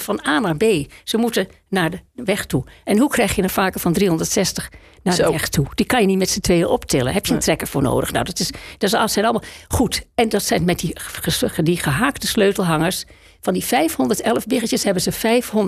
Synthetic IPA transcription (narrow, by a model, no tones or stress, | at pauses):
fɔnaːnaɹbeːz̥əmutə | naɹdəʋɛxtuʔɛnɦukrɛjxjənəfaːkəɹfɔndriɦɔndəɹtsɛstəx | naəɛxtʰud̥ikɑnjənitmɛtsətʋeːəʔɔptʰɪlə̰ɦɛpjətrɛkəɹfʊːɹno̰ːdəxna̰wdɔtɪsd̥ɔssɛnɑlˠmaχutɛndɔtsɛnmɛt̚diədiχəɦaːktəsløːtl̩ˠɦɑŋəɹs | fɔndifɛjfhɔndəɹtɛlˠəvbɪɣəjəshɛbənsəfɛjfhon